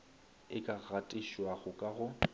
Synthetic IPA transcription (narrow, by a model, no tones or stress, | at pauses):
ɪkʼaɣatʼiʃwaɣʊkʼaɣʊ